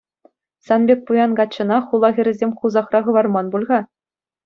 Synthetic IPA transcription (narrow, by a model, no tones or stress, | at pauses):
sɑnbʲek̚ʲpujɑnɡɑt͡ɕːɤ̆nɑχulˠɑʁʲɘ̆ɾʲɘ̆zʲemʲχuzɑχrɑʁɤ̆ʋɑrmɑnbulʲʁɑ